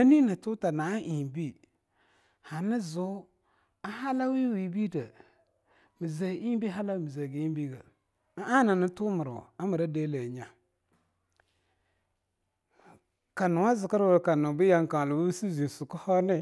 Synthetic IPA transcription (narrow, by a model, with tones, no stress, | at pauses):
a˦ni˦na˨tu˦ta˨na˨˦ʔi˨bi˦ | ha˨ni˦zu˦ | a˦ha˦la˦wi˦wi˨bi˦də˨ | mi˨ze˨ʔi˦bi˦ɦa˦la˦mi˨ze˨ɡi˨˦i˦bi˦ɡa˨˦ | a˦na˨nə˦tu˦mə˨ɾ̰a˦mə˨ɾa˦de˦le˨ɲa˨ | ka˨nʊ˨wa˦zɪ˨ka˦ɾwə˨ɾka˨nʊ˨bi˦ja˨ŋ˨ka˨ŋ˨lu˨bu˦si˦zi˨su˨kə˦hɔ˦ni˦